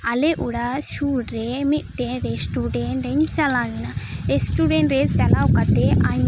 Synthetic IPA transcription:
ɐleʔuɽaʃuʈɾemiʈeɾesʈuɖeɳʈɾent͡ʃɐlaːʋinaɾesʈuɖẽɳʈɾezt͡ʃɐlawkɐt̪eʔã

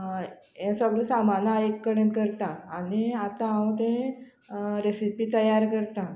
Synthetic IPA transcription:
ẽsəɡɭisamanaekːəɽẽt̪kəɾt̪ãːniat̪ããwt̪̬ẽ | ɾesipit̪əjaɾkəɾt̪ã

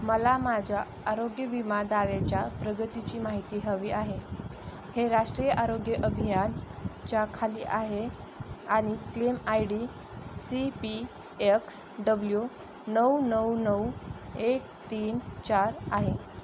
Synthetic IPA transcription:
məlamad͡ʑʱjaː | ɾoɡjəʋimad̪aʋet͡ɕjapɾəɡət̪it͡ɕiːmaɦit̪iːɦəʋiːʔaɦe | heɾaʂʈɾijəʔaɾoɡjəʔəbʱijant͡ɕjakʰalḭːʔaɦe | añiklemajɽi | sipi | eks | ɖəblju | nəwnəwnəwek̚t̪iːnt͡ɕaɾaɦe

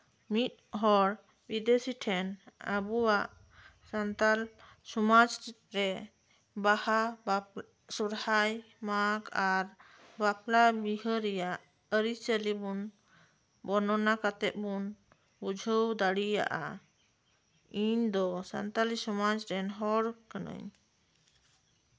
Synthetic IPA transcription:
mit̪̚ɦɔɽ | bid̪esiʈʰɛnə̰buwaʔ | sant̪al | sumad͡ʒ | ɾɛ | bahab | sɔɾhaj | makaɾ | baplabiɦəɾɛjaʔ | əɾit͡ʃəlibun | bɔnɔnakat̪ɛʔ̚bun | bud͡ʒʱəwd̪aɽija̰ʔa̰ | iɲd̪ɔsa̰nt̪alisɔmad͡ʒɾɛnɦɔɽkənə̰ɲ

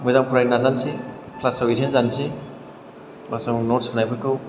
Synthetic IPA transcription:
mɯjzamkʰuɾajnazanse | kʰlasɔwiɾenzanse | basɔŋnɔɾsunajbʰɯkɯw

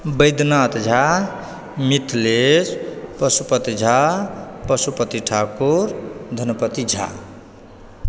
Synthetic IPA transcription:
bəjd̪nat̪d͡ʒʱa | mit̪ʰlespʌsupʌt̪id͡ʒʱapʌsupʌt̪iʈʰakuɾd̪ʱʌnpʌt̪id͡ʒʱa̰

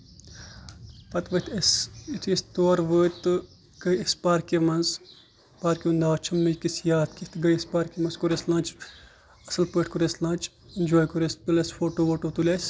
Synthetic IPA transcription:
pɐt̪ʋɐt̪ʰɐsitʰist̪oːɾʋəːt̪ɨ | ɡ̥ɐjispaːɾkimɐnz | paːɾkʲinaːt͡ʃʰɐmːɨkisjaːt̪kit̪ɡɐjispaːɾkimɐnzkuɾeslãːnt͡ʃ | ɐsɐlpəːʈʰkuɾeslãːnt͡ʃ | inʲd͡ʒoːjkuɾespilɐsfoːʈoʋoʈot̪ulʲɐs

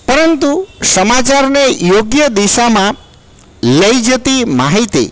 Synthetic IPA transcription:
pəɾənt̪usəmat͡ʃaɾnejoɡjəd̪iʃamã | ləid͡ʒət̪imaɦit̪ḭ

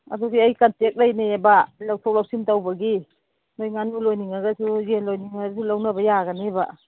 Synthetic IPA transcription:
ɐ̰duɡiɐjkantek̚lajneebalawsʰowlawsimtawbɐɡi | nojŋanulojniŋaɡɐsuzenlojniŋaɡɐsulawnɐbɐjaɡɐneba

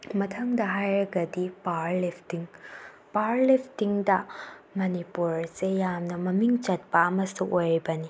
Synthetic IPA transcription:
mɐtʰɐŋdɐɦajɾɐɡɐdipaɾlepʰtiŋ | paɾlipʰtiŋdɐmɐnipuɾsejamnɐmɐmiŋt͡ʃɐt̚pɐːmɐsuʔojɾibɐni

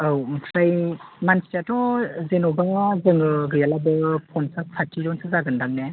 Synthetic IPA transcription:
awtʰɾajmansi̥tatɔzenɔbaŋazɯŋɯɡɯjalabɯpʰɔnsasʰatʰiɾɔnsazaɡɯndak̚ne

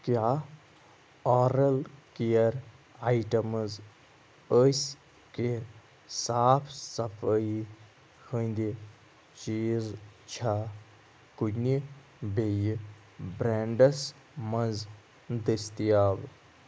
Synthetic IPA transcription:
kjaː | ɔːɾɐlkijɐɾaiʈɐmz | əs | ke | saːpʰsɐpʰəi | hənd̪i | t͡ʃiːzt͡ʃʰaː | kuni | beji | bɾeɳɖɐs | mɐnz | d̪ist̪ijaːb

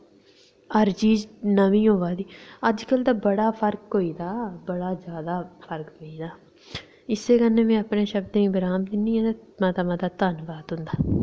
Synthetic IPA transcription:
əɾt͡ʃiːd͡ʒnəʋĩːɦoːʋaːd̪iːəd͡ʒkəlt̪aːbəɽaːpʰəɾkɦoːiːd̪aːbəɽaːzjaːd̪aːpʰəɾkɦoːiːd̪aː | ɪsːeːkənːẽːmẽːəpneːʃəbd̪ːĩːbɪɾaːmd̪ɪnːĩːɛ̃ːt̪amat̪aːmaːt̪aːt̪ənʋaːt̪ɦʊ̃nd̪aː

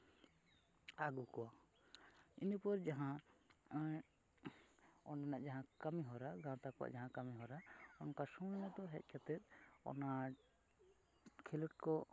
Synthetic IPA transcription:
aɡukɔwa | inupɔɾd͡ʒaɦã | ɔnanaʔd͡ʒaɦãkamiɦɔɾaɡãt̪ak̚pa̰ʔd͡ʒaɦãkamiɦɔɾaɔnkasũnnad̪ɔɦɛ̰c̪̚ˀkʰat̪ɛt̪̚ɔ̰na | kʰɛləʈ̚kɔ

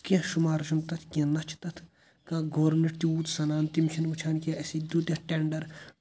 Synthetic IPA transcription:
kɐ̃ʃumaːɾʃumt̪ɐt̪ʰkʲɐ̃nɐt͡ʃʰt̪ɐt̪ʰ | kãːɡʱoːɾniʈt̪iuːt̪sɐnaːnt̪imt͡ʃʰinut͡ʃʰaːnkʲãɐsid̪ud̪ʲjɐ̃ʈeɳɖɐɾ

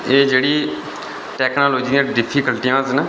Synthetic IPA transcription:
eːd͡ʒeːɽiː | ʈɛːknaːloːd͡ʒiːãːɖɪpʰiːkəlʈijãːzna

